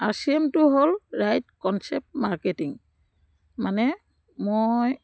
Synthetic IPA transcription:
aɹsiemtʊɦolɹajtkɔnsɛp̚tmaɹketiŋ | manɛ | moj

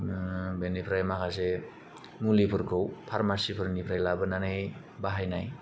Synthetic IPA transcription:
benipʰɾajmakʰase | mulipʰɯɾkʰɯwpʰaɾmaɾsipʰɯɾnipʰɾajlabɯnanɯ | baɦajnaj

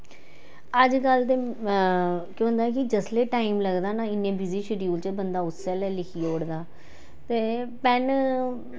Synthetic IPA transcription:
əd͡ʒɡəlt̪eː | kjõːnd̪aːkɪd͡ʒəsleːʈaːiːmləɡd̪aːnaːɪnːẽːbɪziːʃɪɾiuːlt͡ʃəbənd̪aːʊsːɛːlɛːlɪkʰiːoːɽd̪aː | t̪eːpɛn

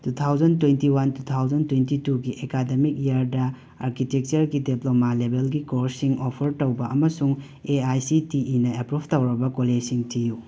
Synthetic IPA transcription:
tutʰawd͡ʒɐntwentiwantut̪ʰawd͡ʒɐntwentituɡiʔekademik̚jaɾdɐ | aɾkitek̚t͡ʃɐɾɡideplomalebelɡikoɾsiŋopʰɐɾtɐwbɐʔɐmɐsuŋ | eajsitiinɐepɾubʰʱtɐwɾɐbɐkolesiŋtiju

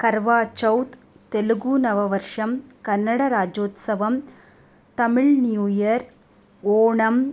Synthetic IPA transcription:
kɐɾʋaːt͡ʃɐwt̪ | t̪eluɡuːnɐʋɐʋɐɾʂɐmkɐnːɐɽɐɾaːd͡ʒoːt̪sɐʋɐm | t̪ɐmɪɭnjuːjɐɾ | oːɳɐm

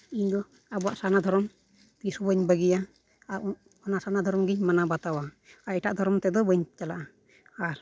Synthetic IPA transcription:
iɲd̪ɔ | abɔaʔsanad̪ʱɔɾɔm | t̪isubəɲbəɡija | ɔnasanad̪ʱɔɾɔmɡiɲmanabat̪awa | aɾɛʈaʔd̪ʱɔɾɔmt̪ɛd̪ɔbəɲt͡ʃalaʔa | aɾ

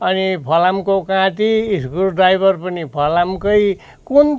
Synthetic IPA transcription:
ʌnipʰʌlamkokãt̪iːskurɖajbʱʌrpʌnipʰʌlamkʌj | kun

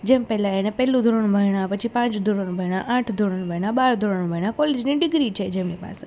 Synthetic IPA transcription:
d͡ʒempɛlãenepɛlũd̪ʱəɾəɳbʱəjɽ̃apət͡ʃʰipãt͡ʃd̪ʱoɾəɳbʱəiɽ̃aʔãʈʰd̪ʱoɽəɳbʱəiɽ̃abaɾd̪ʱoɾəɳbʱəɳakɔled͡ʒniɖɪɡɾit͡ʃʰed͡ʒemnipa̰se

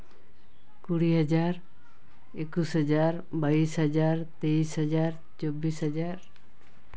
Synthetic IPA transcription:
kuɽiɦʌd͡ʒaɾ | ekusɦʌd͡ʒaɾ | baisɦʌd͡ʒaɾt̪eisɦʌd͡ʒaɾ | t͡ʃobisɦʌd͡ʒaɾ

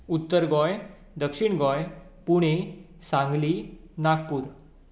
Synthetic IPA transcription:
ut̪ːəɾɡɔj | d̪əkʂiɳɡɔj | puɽ̃e | sãŋɡli | nak̚puːɾ

